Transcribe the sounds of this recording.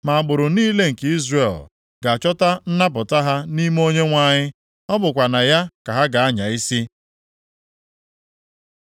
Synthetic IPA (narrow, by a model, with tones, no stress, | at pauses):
ma˨a˨bʊ˨ɾʊ˨niː˦le˦ŋ̩˨ke˦i˦zre˨l | ɡa˨t͡ʃɔ˦ta˦n̩˦na˦pʊ˨ta˦ɦa˦ni˦m˦o˦ɲe˦ŋʷa˦˨ɲɪ˦ | ɔ˦bʊ˨kʷa˨na˨ja˦ka˨ɦa˦ɡa˨a˦ɲa˨i˦si˦